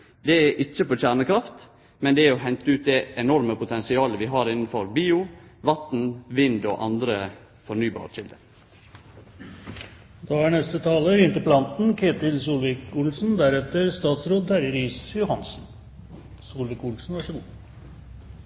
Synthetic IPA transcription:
d̪ɛæʔɪc͡çəpoːçæːɳəkɾɑft̪ | mɛnd̪ɛæɾɔɦɛnt̪əʉːt̪̚d̪ɛɛnɔɾməpʊt̪ʰɛnsɪɑːləʋɪɦɑːɾɪnənfɔɾbiːʊʋɑt̪n̩ʋɪnd̪o̰ːʔɑ̰nd̪ɾə | fɔɾɳyːbɑ̰ːʃɪld̪əɾ | d̪ɑænɛst̪ət̪ʰɑːləɾɪnt̪əpʰlɑnt̪n̩kʰeːt̪ɪlsuːlʋɪkʊlsn̩d̪æɾɛt̪əɾst̪ɑːt̪sɾoːd̪̚d̪æɾəɾiːsjʊhɑnsn̩ | suːlʋikʊlsn̩ʋɑʂəɡuː

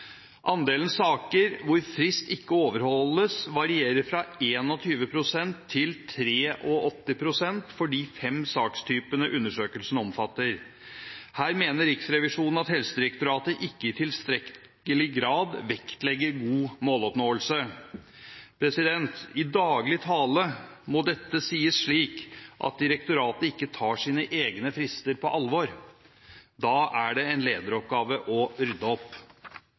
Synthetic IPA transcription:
ʔɑnd̪eːlən̩sɑːkəɾʋʊɾfɾɪst̪ɪkːəoːʋəɾhɔlːəsʋɑɾɪeːɾəɾfɾɑeːnɔt̪ʰyːʋəpʰɾʊsɛnt̪ʰːɪlt̪ʰɾeːʔɔʔɔt̪ːɪpʰɾʊsɛnt̪fɔɖiːfɛmsɑːkst̪ʰyːpənəʔʉnːəʂøːkəlsn̩ɔmfɑt̪ːəɾ | hæːɾmeːnəɾɪksɾɛʋɪʂuːnn̩ɑt̪hɛlsəd̪ɪɾɛkt̪ʊɾɑːt̪əʔɪkːəɪt̪ʰɪlst̪ɾɛ | əlɪɡɾɑːd̪ʋɛkt̪lɛɡːəɾɡuːmoːlɔpnoːəlsə | pʰɾɛsɪd̪ɛnt̪ɪd̪ɑːɡlɪt̪ʰɑːləmɔd̪ɛt̪ːəsiːəsʂɭiːkʔɑ̰t̪̚d̪ɪɾɛkt̪ʊɾɑːt̪əɪkːət̪ʰɑːʂiːnəʔeːɡnəfɾɪst̪əɾpʰɔʔɑlʋɔɾ | d̪ɑːæɖɛɛnleːd̪əɾɔp̚ɡɑːʋəʔɔɾʏd̪əɔpː

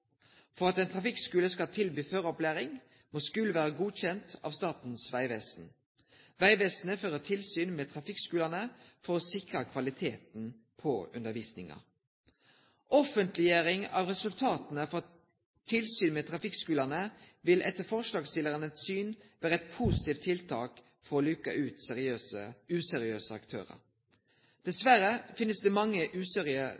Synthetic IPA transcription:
fɔʁɑt̪ɛːnt̪ʰʁɑfɪkskʉːləskɑlt̪ʰɪlbyːføʁɔplæːʁɪŋ | moːskʉlʋæːʁəɡuːçɛnt̪ɑ̰ːʋst̪ɑːt̪n̩sʋæɪʋɛːsn̩ | ʋæɪʋeːsn̩əføːʁət̪ʰɪlsyːnmeːt̪ʰʁɑfɪkskʉːlənəfɔʁoːsɪkʁɑkʰʋɑlɪt̪ʰeːt̪n̩ | pʰɔʉnd̪əʋiːsnɪŋɑ̰ | ʔɔfənt̪lɪjeːɾɪŋɑːʋʁɛsʉlt̪ʰɑːt̪ənəfɔʁ | t̪ʰɪlsyːnmeːt̪ʰʁɑfɪkskʉːləʁnəʋɪlʔɛt̪ːəfɔʁʂlɑːɡst̪ɪləʁənəsyːnʋæːʁəɛt̪̚pʰuːsɪ̥t̪iːʋt̪ʰɪlt̪ʰɑːk | fɔʁoːlykɑ̰ʔʉːt̪ɪøːəʉːsɛɾɪøːsəɑkt̪ʰø̰ːʁə̰ɾ | d̪̥ɛsʋæɾəfɪnːəsd̪ɛmɑŋːəʔʉːseːʁɪə

